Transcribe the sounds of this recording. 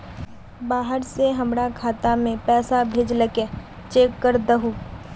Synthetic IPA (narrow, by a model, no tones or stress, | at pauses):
baːɦəɾseɦɐmɾakʰaːt̪amẽpɛːsabʱeːd͡ʒləkeː | t͡ʃeːkːəɾd̪əɦuː